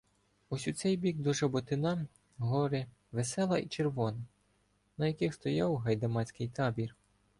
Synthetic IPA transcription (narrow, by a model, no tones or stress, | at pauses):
ɔsʲut̪sɛjbʲiɡ̚d̪ɔʒɐbɔt̪ɪnɑ | ɦɔɾɪ | ʋesɛlˠɐʔit͡ʃerʋɔnɐ | nɐjɐkɪxst̪ɔjɑwɦɐjd̪ɐmɑt͡sʲkɪjt̪ɑbʲir